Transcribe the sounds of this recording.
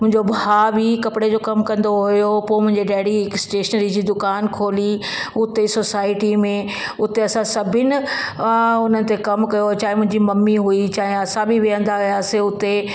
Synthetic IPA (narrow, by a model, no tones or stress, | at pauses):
mʊ̃ɦɪ̃ɲd͡ʑobʱaːbʱikɐpɪɽed͡ʑoːkɐmkɐ̃nd̪oɦʊjopoːmʊ̃ɦɪ̃ɲd͡ʑeɖɛːɽiɪksʈeːʃənɾid͡ʑiːd̪ʊkaːnkʰoːliʊt̪esoːsaːɪʈimẽ | ʊt̪eɐsãsɐbʱɪnɪ̆ | ʊn̤ənɪ̆t̪ekɐmkɐjot͡ɕaːɦɪ̃mʊ̃ɦɪ̃ɲd͡ʑimɐmːiɦuit͡ɕaːɦẽɐsãbʱiʋɪjə̃nd̪aɦʊjaːseʊt̪e